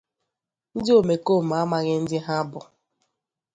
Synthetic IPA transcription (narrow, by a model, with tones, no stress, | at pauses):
n̩˦dɪ˦o˨me˨koː˦˨m̩˨a˦ma˨ɣɪ˦n̩˦dɪ˦ɦa˦bʊ̰˨